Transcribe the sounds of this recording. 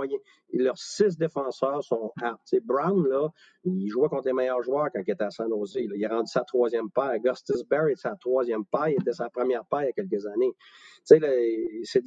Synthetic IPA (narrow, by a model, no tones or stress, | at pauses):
jɛ̃ | lœʁsɪs̬d̪efɑ̃ːsœːʁsɔ̃ap̚t͡sebʁanlɔ | iʒwɛkɔ̃t̪lemɛjœːʁʒwœːʁkɑ̃kilet̪ɛasɛ̃noːzelileʁɑ̃dd͡zy̥sat̪χwɑːzjɛmpaːɡɑst̪ɪzbɛʁet̪ɛsat̪χʁwɑːzjɛmpajet̪ɛsapχəmjɛːʁpajakʲɛlk̬əzanet͡selɛse